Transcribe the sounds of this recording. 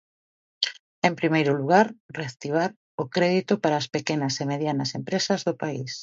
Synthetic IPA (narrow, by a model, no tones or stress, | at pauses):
empɾimejɾʊluɣ̞aɾreakt̪iβ̞aɾ | ʊkɾɛðit̪ʊpaɾaːspekenɐsemeðjanɐsempɾesɐzðʊpais